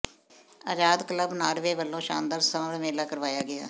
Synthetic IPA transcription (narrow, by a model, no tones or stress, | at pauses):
aːd͡ʒaːd̪kələbnaːɾʋeːʋəlːõːʃa̰ːnd̪aːɾsəmmeːlaːkəɾʋaːjaːɡɪa̰ː